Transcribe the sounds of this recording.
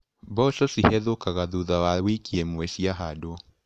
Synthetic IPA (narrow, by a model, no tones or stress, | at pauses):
bɔsɔsihɛðokaɣaðuðawawikiɛmwɛʃiaɦadoɔ